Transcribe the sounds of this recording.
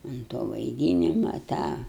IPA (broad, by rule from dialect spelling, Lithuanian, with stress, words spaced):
ʊn toː ʋɐɪˈdʲiːnʲɪmɐ ˈtɑː